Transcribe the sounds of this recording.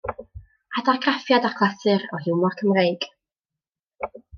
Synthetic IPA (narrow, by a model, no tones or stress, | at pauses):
adaɡrafjadakʰlˠasɨrɔɦɪwmɔrkʰəmrejɡ̥